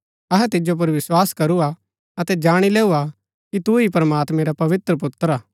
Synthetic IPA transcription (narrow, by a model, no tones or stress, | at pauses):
ɐɦɛt̪ɪd͡ʒop̬ɐɾʋɪswaːskɐɾua | ɐt̪ɛd͡ʒaːɽ̃ileːua | kit̪uipɾəmaːt̪mɛ̃ɾapɐʋɪt̪ɾəp̬ʊt̪ːɾaː